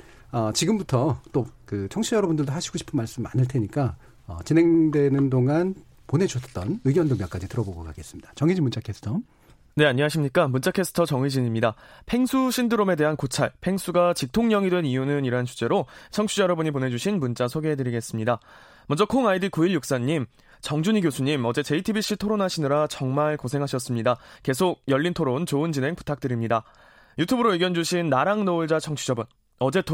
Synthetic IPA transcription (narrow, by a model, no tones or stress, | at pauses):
ʌt͡ɕiɡɯmbutʰʌt͈okɯt͡ɕʰʌŋt͡ɕʰijʌɾʌbundɯɭdoɦaɕʰi̥ɡoɕʰi̥pʰɯnmaɭs͈ɯmma̰nɯɭtʰe̞ɲik͈a | ʌ̰t͡ɕinɦe̞ŋdwe̞nɯndoŋan | ponɦe̞d͡ʑuʌt͈ʌnɯɡjʌndomjʌk͈ad͡ʑitɯɾʌboɡokʰaɡes͈ɯmɲid̥ḁt͡ɕʌŋid͡ʑimunt͡ɕ͈ʰakʰesʰɯ̥tʰʌ | ne̞aɲːiŋaɕʰimɲik͈amunt͡ɕ͈akʰe̞s͈ʰɯ̥tʰʌt͡ɕʌŋid͡ʑiɲimɲidapʰe̞ŋsʰuɕʰindɯɾome̞de̞ɦankot͡ɕʰaɭpʰe̞ŋsʰuɡat͡ɕik̚tʰoŋɲʌŋidwe̞nijunɯniɾɦant͡ɕʰu̥t͡ɕ͈e̞ɾot͡ɕʰʌŋt͡ɕʰujʌɾʌbuɲipone̞d͡ʑuɕʰinmunt͡ɕ͈asʰoɡeedɯɾiɡe̞s͈ɯmɲida | mʌnd͡ʑʌkʰoŋaidikuiɭjuk̚s͈aɲːim | t͡ɕʌŋd͡ʑuɲiɡjosʰuɲimʌd͡ʑe̞t͡ɕe̞itʰibiɕ͈ʰitʰoɾonaɕʰinɯɾat͡ɕʌŋmaɭkosʰe̞ŋɦaɕʰʌs͈ɯmɲidake̞sʰoɡ̚jʌʎːintʰoɾont͡ɕoɯnt͡ɕinɦe̞ŋpu̥tʰak̚t͈ɯɾimɲida | jutʰubɯɾoeɡjʌnd͡ʑuɕʰinːaɾaŋnouɭd͡ʑat͡ɕʰʌŋt͡ɕʰud͡ʑʌbun | ʌd͡ʑe̞t